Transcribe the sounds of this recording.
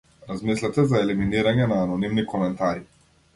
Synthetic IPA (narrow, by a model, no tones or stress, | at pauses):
ɾazmislʲat̪ɛzaɛliminiɾaɲɛnaːnɔnimnikɔmɛnt̪aɾi